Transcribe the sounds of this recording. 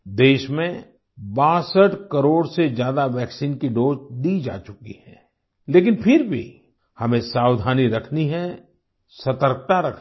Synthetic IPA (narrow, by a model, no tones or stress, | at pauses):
d̪eːʃmẽ | bãːsəʈkəɾoːɽsed͡ʒjaːd̪aʋɛːksiːnkiɖoːd͡ʒd̪id͡ʒa̰ːt͡ʃʊkḭhɛ̃ː | leːk̬ɪnpʰɪɾbʱḭ | hɐmẽsaːwd̪ʱaːniɾɐkʰniɦɛ | sɐt̪əɾk̚t̪aɾɐkʰ